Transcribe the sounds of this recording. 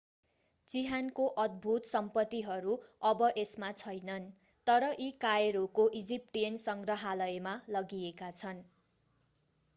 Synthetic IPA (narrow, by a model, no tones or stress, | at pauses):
t͡siɦankoʔʌd̪̚bʱut̪sʌmpʌt̪ːiɦʌɾuʌbʌʔesmat͡sʰʌjnʌn | t̪ʌɾʌʔikaeɾokoʔid͡zip̚ʈijʌnsʌŋɡrʌɦalʌjmalʌɡiekat͡sʰʌn